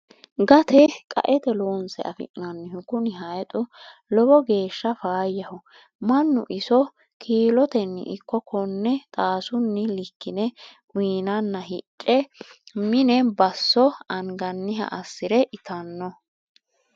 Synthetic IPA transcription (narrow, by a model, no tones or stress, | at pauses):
ɡɐt̪ʰɛkʼɐ̰ʔɛt̪ɛloːnsɛ̰ʔɐfɪ̰ʔnɐnːɪhʊkʊnɪɦɐjt̪ʼʊlɔbɔɡe̞ːʃːɐfaːjːɐhʊ | mɐnːʊ̰ʔɪsɔ | kʰiːlɔt̪ɛnːɪ̰ʔɪkːɔkʰɔnːɛt̪ʼaːsʊnːɪlɪkːɪnɛʔwiːnɐnːɐɦɪt͡ʃʼːɛmɪnɛbɐsːɔɐŋɡɐnːɪɦɐ̰ʔɐsːɪɾɛʔɪt̪ʰɐnːɔ